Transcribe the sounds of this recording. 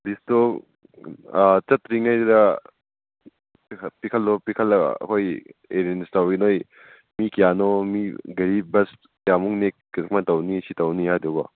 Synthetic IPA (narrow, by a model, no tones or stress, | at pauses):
bisto | t͡ʃɐtɾiŋɐjɾɐ | pikʰɐlːopikʰɐlɐ̰kʰojeɾenstawɡinoj | mikijanɔmiɡɐɾibɐs | kijamuŋnek̚ː | k̚matɐwnisitɐwnihajdɔɡa